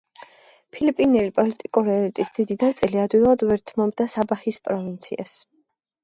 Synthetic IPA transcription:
pʰilipʼinɛlipʼɔlit̪ʼikʼuɾiɛlit̪ʼisd̪̥id̪inant̪sʼiliad̪wilˠad̪vɛɾt̪ʰmɔmd̪asabaχispʼɾɔvint̪sʰḭa̰s

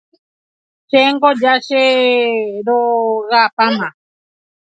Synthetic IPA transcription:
ʃeŋɡod͡ʒaʃe | ɾoɣapama

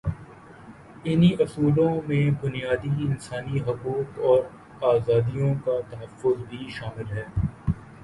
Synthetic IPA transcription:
ɪniʔɐsuːlõmẽbʊnijaːd̪iɪnsaːniɦʊquːt̪ɔːɾ | aːzaːd̪ijõkat̪ɐɦəfːʊzbʱiʃaːmɪlɦɛː

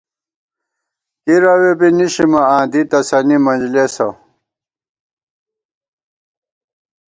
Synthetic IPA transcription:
kiɾɐwebiniɕimɐãːnd̪it̪ɐsɐnimɐnd͡ʑlesɐ

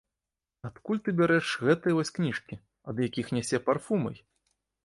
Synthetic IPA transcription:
at̪kulʲt̪ɨbʲaɾɛʂɣɛt̪ɐjɐvɔsʲknʲiʂkʲi | ɐd̪jakʲixnʲɛsʲɛparfumɐ̰j

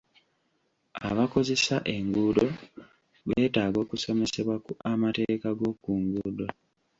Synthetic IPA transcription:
a̰βako̞ze̞saʔe̞ŋɡudo̞ | βeːtaːɡo̞ːkuso̞me̞se̞βwakuamate̞ːkaɡo̞kuːŋɡuːdo̞

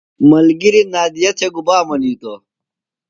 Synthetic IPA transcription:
mɐlɡiɾinaːd̪ijɐt̪ʰeɡubaːmɐniːt̪o

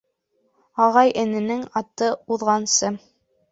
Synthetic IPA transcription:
ɑʁɑjʔɘ̆nɘ̆nɘŋɑt̪ɤuðʁɑnsɤ

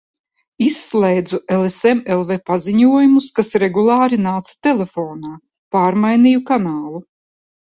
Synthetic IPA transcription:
isːlˠɛjd̪zuʔelˠesɛmelˠvepaziɲuɔjumuskasɾeɡulˠaːɾinaːt̪sḁt̪elʲefoːnaː | paːɾmajnijukanaːlˠu

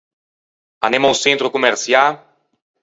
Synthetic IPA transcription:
a̰nemõsẽnt̪ɾʊkomeɾsja

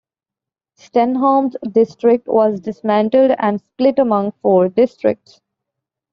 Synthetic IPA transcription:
sʈɛ̃nɦãːmzɖɪsʈɾɪk̚ʈʋɔːzɖɪsmæ̃ɳʈəlɖæ̰̃ɳɖsplɪʈəmʌ̃ŋɡfoːɾɖɪsʈɾɪ̰k̚ʈs

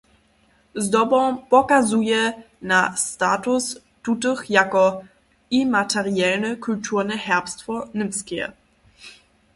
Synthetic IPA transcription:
zdɔbɔ̃pɔkazujɛ | nastaːtus | tutəxjakɔ | imatɛʁijɛlnəkultʰuʁnɛhɛʁpstfɔnɪmskjɛ̰

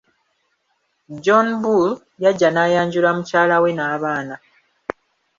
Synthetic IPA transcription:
d͡ʒonbul | jaɟːanaːjaːɲɟulamucaːlawe̞naːβaːna

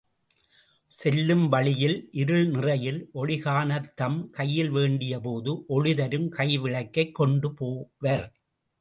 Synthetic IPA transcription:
sɛlːɯmʋɐɭɪjɪlʔɪɾɯɭnɪrɐjɪlʔɔɻɪɣaːnɐt̪ːɐmkɐjːɪlʋeːɳɖɪjɐp̬oːðɯʔɔɻɪðɐɾɯmkɐɪʋɪɭɐɪkːɐɪkːɔɳɖɯpoːʋɐɾ

